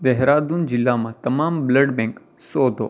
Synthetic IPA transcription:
d̪ɛɦɾad̪und͡ʒɪlːamãt̪əmambləɖbɛ̃ŋk | sod̪ʱo

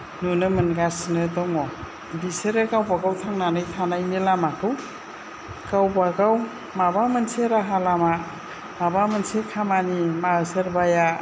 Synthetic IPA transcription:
nunɯmɯnɡasnɯdɔŋɔ | biseɾɯkawbaɡawtʰaŋnanɯjtʰanajmilamakɯw | kawbaɡaw | mabamɯnseɾaɦalama | mabamɯnsekʰamanimaɯsəɾbaja

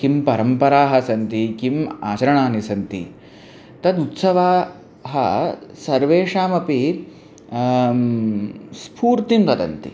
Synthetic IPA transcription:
kimpɐɾɐmpɐɾaːɦɐ̆sɐnt̪ikima̰ːt͡ʃɐɾɐɳaːnisɐnt̪ḭ | t̪ɐd̪ut̪sɐʋaː | ɦɐ̰sɐɾʋeːʂaːmɐpi | spʰuːɾt̪imt̪ɐd̪ɐ̰nt̪ḭ

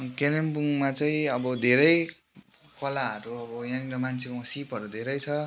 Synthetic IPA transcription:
kelempuŋmat͡sʌĩʌbʌd̪ʱeɾʌj | kʌlaɦʌɾuʌbʌjãŋɾʌmant͡sʰekasipɦʌɾud̪ʱeɾʌjt͡sʰʌ

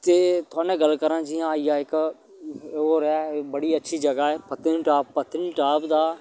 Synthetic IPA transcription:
t̪eːt̪ʊaːnẽːɡəlkəɾãːd͡ʒiãːijaːɪkː | oɾaːbəɽiːətːʃʰiːd͡ʒəɡaːɛːpət̪ɪnʈaːbpət̪ɪnʈaːbd̪aː

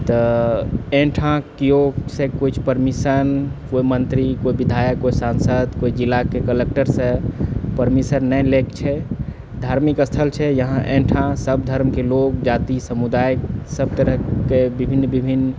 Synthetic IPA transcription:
t̪ɔ | ẽʈʰãkijosẽkojt͡ʃʰpəɾmisənkoimənt̪ɾikoibid̪ʱajəkːoisãnsəd̪koid͡ʒilakːekəlek̚ʈəɾsẽpəɾmisəɾnɛlekt͡ʃʰɛ | d̪ʱaɾmikəst̪ʰəlt͡ʃʰɛjəɦãʔẽʈʰãsəbd̪ʱəɾmkelokd͡ʒat̪isəmud̪ajksəb̚t̪əɾəɦkebibʱinːbibʱinː

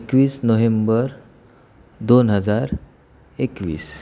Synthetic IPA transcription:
ekʋiːsnoʋembəɾ | d̪onɦəd͡zaɾ | ekʋḭːs

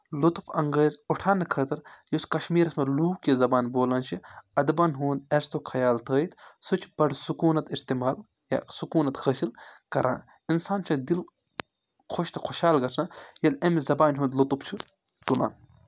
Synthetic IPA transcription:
lut̪ufɐŋɡəːzuʈʰaːnɐkʰɐt̪ɨɾjoskɐʃmiːɾɐsmɐluːkizɐbaːnboːlɐːnt͡ʃʰiɐd̪bɐnɦuːnd̪ɐst̪okʰɐjaːlt̪ʰəːjit̪sut͡ʃʰbɐɖsukuːnɐt̪ist̪imaːl | ja̰sukuːnɐt̪həsilkɐɾʔa̰ːn | insaːnt͡ʃʰɐd̪il | kʰoʃt̪ʰɐkʰoʃaːlɡɐtʰnɐjɐlɐmzɐbaːnɦũːnd̪lut̪uft͡ʃʰi | t̪ula̰ːn

